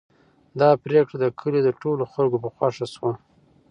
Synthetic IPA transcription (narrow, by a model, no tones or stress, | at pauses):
d̪ɑpɾekɽad̪əkʰəled̪əʈoloxalɡopəxwaʂaswa